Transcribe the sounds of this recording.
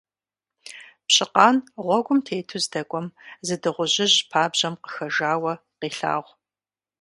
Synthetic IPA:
pɕɪqɑːnʁʷɔɡʷʊmtʰeːjtʰuzdɐkʷʼɔmzɨdɨʁʷʊʑɪʑpʰaːbʑɐmqə̥xɐʒaːwɐ | qiːɬa̰ːʁʷ

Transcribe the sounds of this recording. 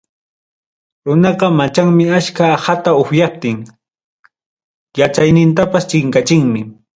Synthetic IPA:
ɾʊnɑqɑmat͡ʃaŋmɪaskaːhat̪aʊxjap̚t̪ɪŋ | jat͡ʃajnɪnt̪̬apast͡ʃɪŋkat͡ʃɪŋmɪ

